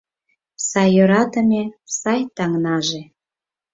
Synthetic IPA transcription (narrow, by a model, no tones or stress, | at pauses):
sɑjːøɾɑt̪ə̆mʲesɑjt̪ɑŋnɑʒe